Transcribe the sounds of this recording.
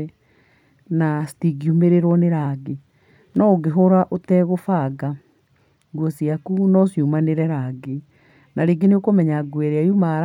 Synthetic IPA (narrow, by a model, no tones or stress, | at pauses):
ɛ | nastiɡiumeɾeɾɔneɾaɡe | nɔɡeɦoɾaʔotɛɣofaɡa | ɡwɔsiakunɔsjumaneɾɛɾaɡe | naɾeːɡeneokomɛɲaɡwɛɾeajumaɾ